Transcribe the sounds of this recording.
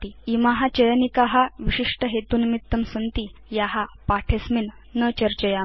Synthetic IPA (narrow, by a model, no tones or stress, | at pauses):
iimaɦat͡ɕəjənikaɦaʋiɕiʂʈəɦet̪uːnmit̪ːəmsənt̪ijaɦapaʈʰesmin | nət͡ɕəɾt͡ɕəja